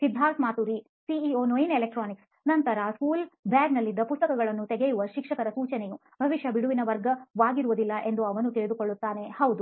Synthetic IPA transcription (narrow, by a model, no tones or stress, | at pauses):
sid̪ʱːaːsmaːt̪uɾi | siioːnojinelek̚ʈɾaːniks | nɐnt̪ɐɾɐskuːlbjaːɡnɐlːid̪ːɐpust̪ɐkɐɡɐɭɐnːut̪ɛɡejuʋɐʃikʂɐkɐɾɐsuːt͡ʃɐneju | bʱɐʋiʃjɐbiɽuʋinɐʋɐɾɡɐʋaːɡiɾuʋud̪ilːɐʔe̞nd̪uɐʋɐnut̪iɭed̪uko̞ɭːut̪ːaːne̞hɐwd̪u